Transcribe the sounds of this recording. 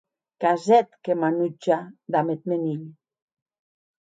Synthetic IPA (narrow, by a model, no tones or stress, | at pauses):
kazɛt̪kemanut͡ʃad̪amet̪̚meniʎ